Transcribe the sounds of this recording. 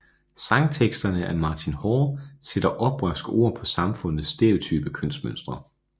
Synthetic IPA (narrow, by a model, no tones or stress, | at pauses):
sɑ̈ŋt͡sʰeɡ̥sd̥ɐnəʔæɐmɑ̈t͡sʰinhɒːseɾ̥ɐʔɒ̽b̥ʁœsɡ̥əʔo̝̰ːɐ̰pʰɒ̽sɑ̈mfɔ̽n̰ð̩ˠsːd̥e̝ɐ̰o̝t͡sʰyːb̥əkʰøn̰sd̥mønsd̥ʁɐ